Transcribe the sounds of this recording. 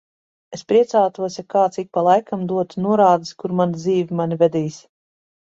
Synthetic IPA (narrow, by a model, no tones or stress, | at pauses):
espɾiɛt̪saːt̪uɔsʲakaːt̪sik̚palˠajkamd̪uɔt̪nuɔɾaːd̪iskuɾmanid̪ziːvʲimanʲivɛd̪iːsʲ